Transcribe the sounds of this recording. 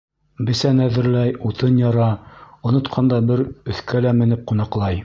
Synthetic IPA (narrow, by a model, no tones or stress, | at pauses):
bɘ̆sænæðɘ̆ɾlæjut̪ɤnjɑɾɑŏnŏt̪qʰɑnd̪ɑbɘɾɵ̆θkælæmɘ̆nɘp̚qunɑqlˠɑj